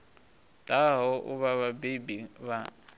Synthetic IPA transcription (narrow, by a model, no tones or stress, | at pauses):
tʼaɦɔʔʊ̰βaβabebiβa